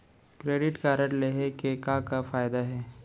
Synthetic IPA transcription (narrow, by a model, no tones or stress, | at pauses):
kɾeːɖɪʈkaːɾəʈleɦekekakafaːjd̪aɦɛː